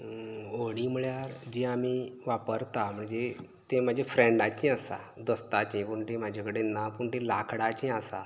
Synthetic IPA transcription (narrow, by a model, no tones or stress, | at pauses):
oɽ̃imuɭjaɾd͡ʑĩamiʋapəɾt̪am̤əɳd͡ze | t̪ẽm̤ad͡ʑʱefɾẽɳɖat͡ɕĩəsa̰ | d̪ɔst̪at͡ɕĩpuɳʈimad͡ʑʱakəɽenːapuɳʈelakɽat͡ɕĩasa̰